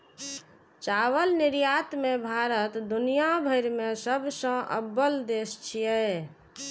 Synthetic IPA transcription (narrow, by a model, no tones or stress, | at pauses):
t͡ʃaʋəlnɪɾjat̪mebʱaɾət̪d̪unijabʱəɪɾmesəbʱsə̃ʔə̰bːəld̪est͡ʃʰijɛ